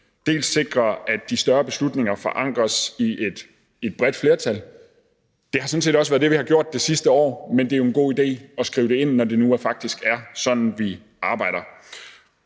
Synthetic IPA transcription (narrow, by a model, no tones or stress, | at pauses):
d̥e̝̰ːlsːe̝ɡ̥ʁɐæd̥ːisd̥ɶɐb̥e̝slud̥ne̝ŋɐfɒ̽ʔɑ̈ŋ̰ɡ̥ʁɐsied̥ | ed̥̚b̥ʁɛd̥fle̝ɐt͡sʰæl | d̥e̝hɑ̈sɔn̩se̝̰ːd̥ɒ̽səʋæɐðˠd̥e̝ʋihɑ̈ɡ̥jo̝ɐ̰d̥̚ːe̝sisd̥əɒ̰ːmend̥e̝æo̝enɡ̥o̝̰ːid̥e̝̰ːɒ̽sɡ̥ʁḭːʊd̥e̝e̝n̰ːɒd̥e̝nuæɐfɑ̈ɡ̥̚d̥isɡ̥æɐsɒ̽n̰n̩ʋi | ʔɑ̈ːb̥ɑ̈ɪ̰ɾ̥ɐ